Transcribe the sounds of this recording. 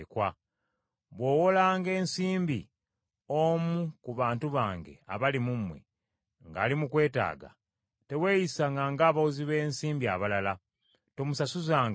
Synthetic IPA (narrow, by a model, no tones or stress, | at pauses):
kwa | βwo̞ːwo̞laːŋɡe̞ːnsiːmbḭ | omukuβaːntuβaːŋɡe̞̰a̰βalimumwe̞̰ | ŋɡa̰ːlimukwe̞ːta̰ːɡa̰ | te̞we̞ːjisaŋɡaŋɡaːβawoziβe̞ːnsiːmbia̰βalala | to̞musasuzaːŋ